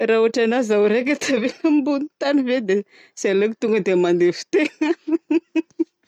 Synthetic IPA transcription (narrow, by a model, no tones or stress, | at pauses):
raːuaʈ͡ʂanazawɾek̬ʲat̪ʰavembunit̪anived̪e | saleki̥t̪uŋɡəd̪emand̪efi̥t̪eŋ